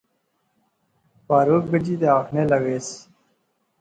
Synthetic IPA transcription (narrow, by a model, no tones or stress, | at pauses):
paːɾoːkbəd͡ʑiːd̪eaːkʰneːlɐɡeːs